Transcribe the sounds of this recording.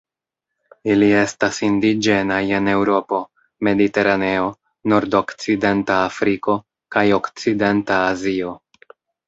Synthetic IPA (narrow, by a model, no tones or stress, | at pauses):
ilie̞stasindid͡ʒe̞naje̞ne̞wɾo̞po̞ | me̞dite̞ɾane̞o̞ | no̞ɾdo̞kt͡side̞ntaːfɾiko̞ | kajo̞kt͡side̞ntaːzio̞